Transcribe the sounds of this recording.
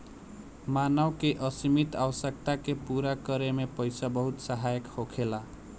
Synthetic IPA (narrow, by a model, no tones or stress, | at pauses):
manʌwkeʔʌsimit̪awʌsʌk̚t̪akepuɾakʌɾemepʌjsabʌɦut̪saɦajʌkhokʰela